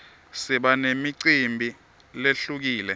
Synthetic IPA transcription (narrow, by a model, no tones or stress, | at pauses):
siɓanemiǀimbʱi | leɬuk̬iːlɛ